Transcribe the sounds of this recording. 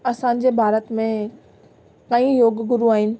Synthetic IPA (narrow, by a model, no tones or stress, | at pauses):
ɐsãːɲ̆d͡ʑeːbʱaːɾət̪mẽ | kãːĩjoːɡɡʊɾuaːɦɪnɪ̆